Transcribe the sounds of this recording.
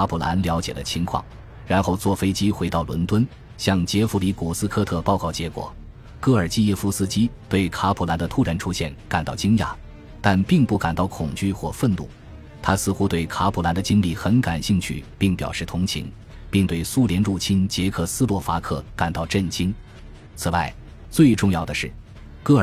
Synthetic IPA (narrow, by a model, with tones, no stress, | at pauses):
kʰa˥pʰu˨˩la̰˧˥nljɑ˧˥ʊt͡ɕjɛ˨˩lə˦t͡ɕʰi˧˥ŋkʰwɑ̰˥˩ŋ | ɻa˧˥nxo˥˧ʊt͡swɔ˥˩fe˥ɪt͡ɕi˥xwe˧˥ɪt̪ɑ˥˩ʊlwə̰˧˥nt̪wə˥n | ɕjɑ˥˩ŋt͡ɕjɛ˧˥fu˧˥li˧˥ku˨˩sɹ̩˥kʰɤ˥˧t̪ʰɤ˥˧pɑ˥˧ʊkɑ˥˩ʊt͡ɕjɛ˧˥kwɔ̰˨˩˦ | kɤ˥˩ə˞˨˩t͡ɕi˥˧jɛ˥˧fu˥˩sɹ̩˥t͡ɕi˥t̪we˥˩ɪkʰa˥pʰu˧˩la˧˥nd̪ə˧t̪ʰu˥˩ɻa˧˥nʈ͡ʂʰu˥ɕjɛ˥˩nka˨˩nt̪ɑ˥˩ʊt͡ɕi˥ŋja̰˧˩˦ | t̪a˥˧npi˥˧ŋpu˥˩ka˨˩nt̪ɑ˥˩ʊkʰʊ˨˩ŋt͡ɕy˥˩xwɔ˥˧fə˥˧nlṵ˥˩ | t̪ʰa˥sɹ̩˥˧xu˥t̪we˥˩ɪkʰa˥pʰu˧˥la˧˥nd̪ə˧t͡ɕi˥nli˥˩xə˧˥nka˨˩nɕi˥˧ŋt͡ɕʰy̰˥˩pi˥˩ŋpjɑ̰˨˩ʊʂɻ̩˥˩t̪ʰʊ˧˥ŋt͡ɕʰḭ˧˥ŋ | pi˥˧ŋt̪we˥˩ɪsu˥ljɛ˧˥nɻu˥˩t͡ɕʰi˥nt͡ɕjɛ˧˥kʰɤ˥˩sɹ̩˥lwɔ˥˩fa˥kʰɤ˥˩ka˨˩nt̪ɑ˥˧ʊʈ͡ʂə˥˩nɕi˥n | t͡sʰɹ̩˨˩wa˥˩ɪ | t͡swe˥˧ɪʈ͡ʂʊ˥˧ŋjɑ˥˩ʊd̪ə˩ʂɻ̩˥˩ | kɤ˥˩ə˞˨˩